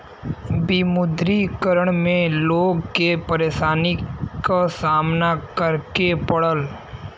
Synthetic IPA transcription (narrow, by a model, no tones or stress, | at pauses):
bimʊd̪ɾikəɾəɽ̃mẽloːɡkepəɾeːʃaːnikasaːmnakəɾkepəɽəl